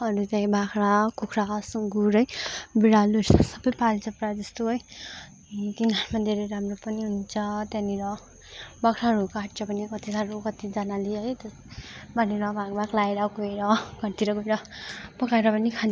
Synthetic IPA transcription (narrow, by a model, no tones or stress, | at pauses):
ʌɾut͡saj̃bʱakɾakukʰɾakasŋɡuɾʌjbiɾaluɾʰʌsʌbʌjpalit͡sʌpɾad͡zʌst̪oɦʌj | t̪inaɾmad̪ʱeɾʌjɾamropʌniɦunt͡sʰʌt̪aniɾʌ | bʌkʰɾaɦʌɾukaʈt͡ʃʌpʌnikʌt̪isaɾukʌt̪id͡zanaleɦʌjt̪ʌ | bʌniɾʌbʱaɡbaklaeɾʌkoeɾʌɡʱʌɾt̪iɾʌɡuɾʌpʌkaeɾʌpʌnikʰa